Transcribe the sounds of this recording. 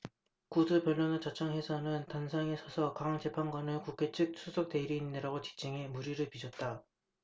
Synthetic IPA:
kudɯpjʌɭːʌnʌt͡ɕat͡ɕʰʌŋhwe̞sʰanɯntansʰaŋesʰʌsʰʌkaŋaŋt͡ɕe̞pʰanɡwanɯɭkukʰe̞t͡ɕʰɯk̚sʰusʰʌk̚t͈e̞ɾiːnndeɾaɡot͡ɕi̥t͡ɕ͈ʰɯŋemuɾiɾɯɭpid͡ʑʰʌt̚t͈a

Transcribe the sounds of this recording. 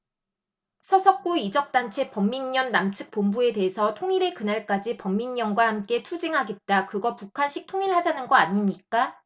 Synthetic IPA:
sʰʌsʰʌk̚k͈uid͡ʑʌk̚t͈ant͡ɕʰe̞pʌmːiɲːʌnːamt͡ɕʰɯk̚p͈ombue̞de̞ɦesʰʌtʰoŋiɾe̞kɯnaɭk͈ad͡ʑipʌmːiɲːʌnɡwahamk͈e̞tʰud͡ʑiŋɦaɡe̞t̚t͈akɯɡʌpukʰanɕʰik̚tʰoŋiɭhad͡ʑanɯnɡʌaɲimɲik͈a

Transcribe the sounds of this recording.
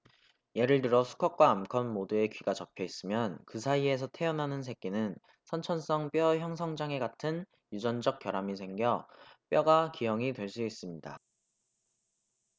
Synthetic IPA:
je̞ɾɯɭtɯɾʌsʰu̥kʰʌk̚k͈waːmkʰʌnmodue̞kɥiɡat͡ɕʌpʰjʌis͈ɯmjʌnkɯsʰaie̞sʰʌtʰe̞ʌnɦanɯnsʰe̞k̚k͈inɯn | sʰʌnt͡ɕʰʌns͈ʌŋp͈jʌçjʌŋs̬ʰʌŋd͡ʑaŋe̞ɡatʰɯn | jud͡ʑʌnd͡ʑʌk̚k͈jʌɾamisʰe̞ŋɡjʌp͈jʌɡakijʌŋitwe̞ɭs͈uis͈ɯmɲida̰

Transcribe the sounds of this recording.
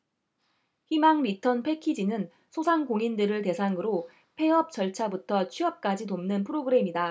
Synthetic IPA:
çimaŋɾitʰʌnpʰe̞kʰid͡ʑinɯn | sʰosʰaŋkoŋindɯɾɯɭte̞sʰaŋɯɾo | pʰe̞ʌp̚t͡ɕ͈ʌɭt͡ɕʰabutʰʌt͡ɕʰiʌp̚k͈ad͡ʑinomnɯnpʰɯɾoɡɯɾe̞mida

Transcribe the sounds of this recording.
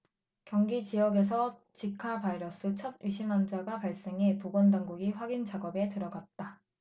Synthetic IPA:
kjʌŋɡit͡ɕijʌɡe̞s̬ʰʌt͡ɕikʰapaiɾʌs͈ʰɯt͡ɕʰʌd̚ɥiɕʰimand͡ʑaɡapaɭs͈e̞ŋepoɡʌndaŋɡuɡiɸwaɡind͡ʑaɡʌbe̞tɯɾʌɡat̚t͈a

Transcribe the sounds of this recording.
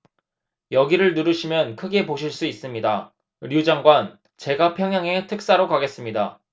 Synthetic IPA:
jʌɡiɾɯɭnuɾɯɕʰimjʌnkʰɯɡe̞poɕʰiɭs͈uis͈ɯmɲida | ɾjud͡ʑaŋɡwan | t͡ɕe̞ɡapʰjʌŋɦjaŋe̞tʰɯk̚s͈aɾokaɡe̞s͈ɯmɲida

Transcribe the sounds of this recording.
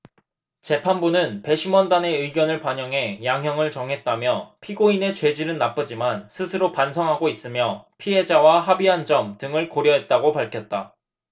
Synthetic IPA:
t͡ɕe̞pʰanbunɯnpe̞ɕʰimʌndane̞ɯiɡjʌnɯɭpaɲʌŋɦe̞jaŋɦjʌŋɯɭt͡ɕʌŋɦe̞t̚t͈amjʌpʰiɡoine̞t͡ɕwe̞d͡ʑiɾɯnnːap͈ɯd͡ʑimansʰɯsʰɯɾopansʰʌŋɦaɡois͈ɯmjʌpʰiɦe̞d͡ʑawaɦabiɦand͡ʑʌmtɯŋɯɭkoɾjʌɦe̞t̚t͈aɡopaɭkʰjʌt̚t͈a

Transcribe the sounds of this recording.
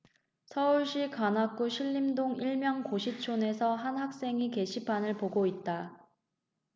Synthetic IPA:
sʰʌuɭɕ͈ikanak͈uɕʰiʎːimdoŋiɭmjʌŋkoɕʰit͡ɕʰone̞sʰʌɦanɦak̚s͈e̞ŋike̞ɕʰipʰanɯɭpoɡoit̚t͈a

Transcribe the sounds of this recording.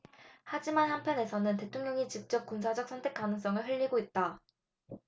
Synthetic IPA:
had͡ʑimanhampʰjʌne̞sʰʌnɯnte̞tʰoŋɲjʌŋit͡ɕip̚t͡ɕ͈ʌp̚k͈unsʰad͡ʑʌk̚sʰʌntʰe̞k͈anɯŋs̬͈ʌŋɯɭɦɯʎːiɡoit̚t͈a

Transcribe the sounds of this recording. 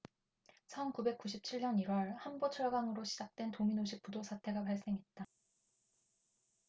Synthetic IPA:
t͡ɕʰʌnkube̞k͈̚uɕʰip̚t͡ɕʰiɭɲʌniɾwʌɭhanbot͡ɕʰʌɭɡaŋɯɾoɕʰid͡ʑak̚t͈we̞ntominoɕ̬ʰik̚p͈udosʰatʰe̞ɡapaɭs͈e̞ŋɦe̞t̚t͈a

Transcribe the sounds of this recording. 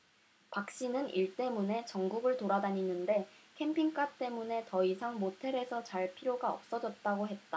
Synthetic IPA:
pak̚ɕ͈inɯniɭt͈e̞mune̞t͡ɕʌŋɡuɡɯɭtoɾadaɲinːɯnde̞kʰe̞mpʰiŋk͈at͈e̞mune̞tʌisʰaŋmotʰe̞ɾe̞sʰʌt͡ɕaɭpʰiɾjoɡaʌp̚s͈ʌd͡ʑʌt̚t͈aɡoɦe̞t̚t͈a

